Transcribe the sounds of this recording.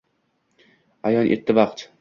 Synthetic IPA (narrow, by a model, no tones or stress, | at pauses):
ajɒnʔḛt̪ʰːɪvɑqt̪